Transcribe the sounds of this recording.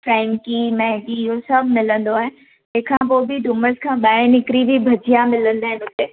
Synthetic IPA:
fɾɛ̃ːŋkimɛɦɡiɦosɐbʱmɪlə̃nd̪oaːɦɪ̃n | ẽkʰãːpoːbʱiɖʊməɾskʰãːɓaːẽnɪkɾibʱibʱɐd͡ʒʱijamɪlə̃nd̪aːɦɪ̃nʊt̪eː

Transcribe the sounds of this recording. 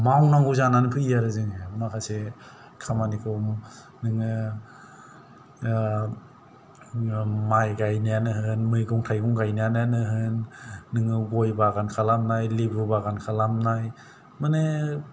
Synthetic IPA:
mawnaŋɡuzananɯpʰɯijaɾɯzɯŋemakʰase | kʰamanikʰɔm | nɯŋɯ | majɡajnijanɯhɯnmɯjɡuŋtʰajɡɔŋɡajniananɯɦɯnːɯŋɯɡojbaɡankʰalamnajlibubaɡankʰalamnaj | mɯne

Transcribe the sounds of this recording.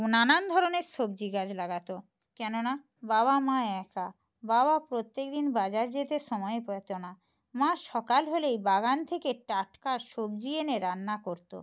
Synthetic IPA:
nanand̪ʱɔɾoneɾʃob̚d͡ʑiɡad͡ʑlaɡat̪o | kɛnona | baβamãeɛkʰa | baβapɾot̪ːek̚d̪inbad͡ʑaɾd͡ʑet̪eʃɔmɔeepɔt̪ona | mãʃɔkalɦolejbaɡant̪ʰekeʈaʈkaʃob̚d͡ʑieneɾanːakoɾt̪o̰

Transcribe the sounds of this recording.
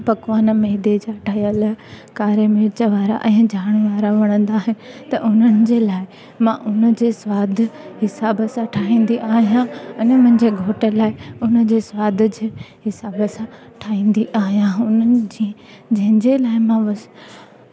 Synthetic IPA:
pɐkʋaːnmeːd̪ed͡ʑaʈʰaːɦijəlkaːɾemɪɾt͡ɕəʋaːɾa̰ʔɛ̃ːd͡ʑʱaːɽ̃ʋaːɾaʋɐɽ̃ə̃nd̪aːɦɪ̃nɪt̪ɐʔʊn̤ənɪ̆d͡ʑeːlaːɪ | mãʔʊnəd͡ʑeːswaːd̪ʱɦɪsaːbəsãʈʰaːĩːn̆d̪iʔaːɦijãɛ̃ːnmʊ̃ɦɪ̃ɲd͡ʑeːɡʱoːʈəlaːɪʊnə̆d͡ʑeːswaːd̪ʱd͡ʑeːɦɪsaːbəsã | ʈʰaːĩːn̆d̪iʔaːɦijãʊnəɪ̆d͡ʑi | d͡ʑɐ̃ɦɪ̃ɲd͡ʑelaːɪmãʋ

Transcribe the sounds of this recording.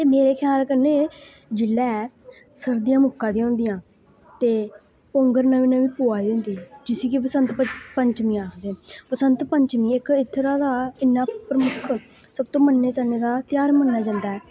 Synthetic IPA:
t̪eːmeːɾeːkʰjaːlkəɾneː | d͡ʒɪlːɛː | səɾd̪ijãːmʊkːãːd̪ĩaɦʊ̃ːnd̪ijãː | t̪eː | põːŋɡəɾnaʋiːnəʋiːpoːaːiʊ̃ːnd̪iːd͡ʒɪsiːkipəsənt̪pəɲt͡ʃmĩːaːd̪eːpəsənt̪pəɲt͡ʃmĩːɪkɪt̪ʰːɾaːd̪aːɪnːaːpɾəmʊkʰ | səb̚t̪õːmənːeːt̪əneːd̪aːt̪ɪjaːɾmənːaːd͡ʒãːnd̪aːɛː

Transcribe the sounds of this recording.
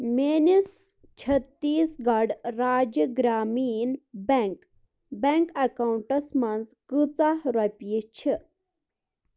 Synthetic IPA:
menis | t͡ʃʰɐt̪ːiːsɡɐɖɾaːd͡ʒəɡɾaːmiːnbeŋk | beŋkɐkawuɳʈɐsmanzkɨt͡sahɾɐpʲjit͡ʃʰi

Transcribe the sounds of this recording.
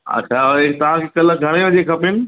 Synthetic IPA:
ɐ̰t͡ɕʰaoet̪ɐʋ̤ãkʰekɐlɡʱɐɽ̃eʋəd͡ʑekʰɐpɪnɪ̆

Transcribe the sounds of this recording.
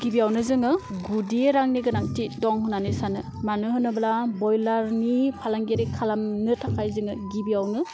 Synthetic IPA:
ɡ̥ibiawnɯzɯŋɯɡudieɾaŋniɡɯnaŋ̚tidɔŋɦunanɯsanɯmanɯɦɯnɯblabɔjlaɾnipʰalaŋɡeɾikʰalamnɯtʰakʰajzɯŋɯɡibiawnɯ

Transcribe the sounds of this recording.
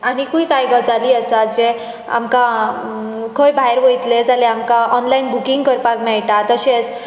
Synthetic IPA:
aɽ̃ikuikajɡəd͡zaliːəsad͡ze | a̰mka | kʰojbaɦeɾʋəjt̪led͡zaleamkaʔɔnlainbukiŋɡkəɾpakmɛɭʈat̪əɕet͡s

